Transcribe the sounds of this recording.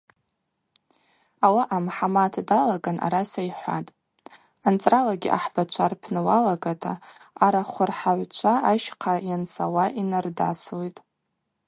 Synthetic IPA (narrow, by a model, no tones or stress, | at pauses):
awaʔamħamatʰdalaɡanʔa̰ɾasajħʷa̰tʼ | ant͡sʼralaɡʲḭʔa̰ħbat͡ʃʷʰarpʰnɨwalaɡatʰa̰ːɾaχʷʊrħaʕʷt͡ʃʷʰaʔaʃqʰajansʰawaʔinarda̰slitʼ